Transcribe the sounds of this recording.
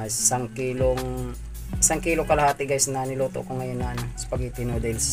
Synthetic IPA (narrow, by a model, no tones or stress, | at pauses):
ssaŋkiːloŋ | ʔɪsaŋkiːlokɐlɐhaːt̪ɪɡajsnanɪloːt̪oʔkoŋɐjonːɐʔɐnosɐ̥pɐɡip̪ɪnod̪ɪls